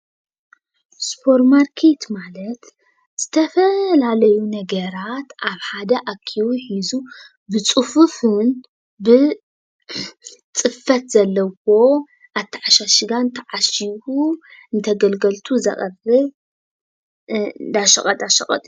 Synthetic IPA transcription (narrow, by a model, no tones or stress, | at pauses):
spʰo̞ɾmaɾkʰet̪malɐt̪ | z̥ɨt̪ʰɐfɐlalɐjunɐɡɐɾat̪ʔaβħad̪ɐʔakʰːiwuħizu | bɨt͡sʼɨfufɨn | bɨ | t͡sʼɨfɐt̪z̥ɐlːɐwo̞ | ʔat̪ʰːiʕaʃaʃɪɡant̪ʰɐʕaʃiβuɨnt̪ʰɐɡɐlɡɐlt̪ʰuzɐ̰χʼɐrɨ | d̪aʃɐ̰χʼɐt̪ʼaʃɐχʼɐ̰t̪ʼ